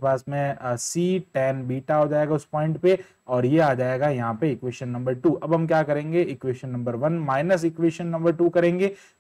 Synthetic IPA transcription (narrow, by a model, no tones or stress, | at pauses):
paːsmẽsiːʈɛːnbiːʈaɦod͡ʒaːeːɡaʊspɔ̃ːɪ̃ɳʈpe | ɔːɾjeaːd͡ʒaːeːɡajɐɦãpeɪkʋeːʃənːɐ̃mbəɾʈuːʔɐbɦɐmkjaːkɐɾẽːŋɡeɪkʋeːʃənːɐ̃mbəɾʋɐnmaːɪnəsɪkʋeːʃənːɐ̃mbəɾʈuːkɐɾẽːŋɡeː